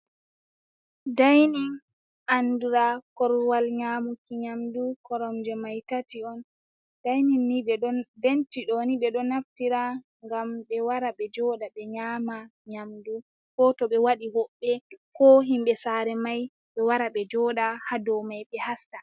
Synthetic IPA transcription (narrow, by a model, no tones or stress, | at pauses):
dajnin | anduɾakɔɾwalɲaːmukiɲamdukɔɾɔmd͡ʒɛmajtatiɔn | dajninːiɓɛɗɔnbentiɗɔniɓɛɗɔnaftiɾa | ŋɡamɓɛwaɾaɓɛd͡ʒɔɗaɓɛɲaːmaɲamdu | kɔtɔɓɛwaɗiɦɔɓːɛkɔɦimɓɛsaɾɛmaj | ɓɛwaɾaɓɛd͡ʒɔɗahadɔmajɓɛhasta